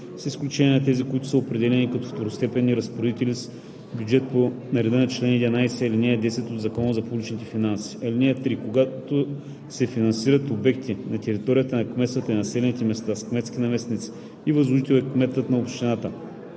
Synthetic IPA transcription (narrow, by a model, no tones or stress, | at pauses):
sisklʲut͡ʃɛnʲjɛnɐt̪ɛzikʊit̪ʊ̥səopɾɛd̪ɛlɛnikɐt̪ɔft̪oɾost̪ɛpɛnːiɾɐspoɾd̪it̪ɛlis | bʲjud͡ʒɛt̪po | nɐɾɛd̪ənɐt͡ʃlɛnɛd̪inajsɛɐlinɛɛd̪ɛsɛt̪od̪zɐkɔnəzɐpublit͡ʃnit̪ɛfinansi̥ɐlinɛɛt̪ɾikoɡat̪o | sɛfinɐnsiɾət̪obɛkt̪ʰinɐt̪ɛɾit̪ɔɾijət̪ənɐkmɛsət̪əinɐsɛlɛnit̪ɛmɛst̪askmɛt̪skʲinɐmɛsnit̪si̥ | ivɐzluʒit̪ɛlɛkmɛt̪ət̪nɐopʃt̪ʲinat̪ə